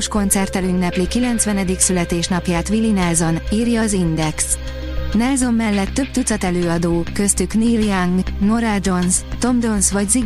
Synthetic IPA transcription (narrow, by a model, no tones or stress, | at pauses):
oʃko̞nt̪sɛrt̪ɛlynːɛplikilɛnt̪sʋɛnɛd̪iksylɛt̪eːʃnɒpjaːt̪ʋilinɛlzo̞niːrjɒːzind̪ɛks | nɛlzo̞mːɛlːɛt̪ːø̞b̚t̪ut̪sɒt̪ɛløːɒd̪oːkø̞st̪ykniːljaŋɡno̞ɾad͡ʒo̞nst̪o̞md̪o̞nsʋɒɟzi